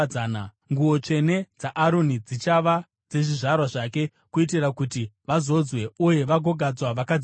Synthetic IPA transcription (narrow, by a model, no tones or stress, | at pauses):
aːna | ŋɡuo̞t͡ʂe̞ne̞d͡zaʔːɾo̞nid͡zit͡ʃaʋa | d͡ze̞ʐiʐarwaʐake̞ | kuitirakutiʋazo̞d͡zwe̞uje̞ʋaɡʱo̞ɡʱad͡zwaʋakad͡z